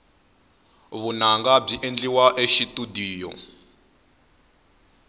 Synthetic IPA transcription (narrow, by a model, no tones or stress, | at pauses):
βunaŋɡab͡ʐiʔend͡ɮiwaʔeʃitudiːjɔ̰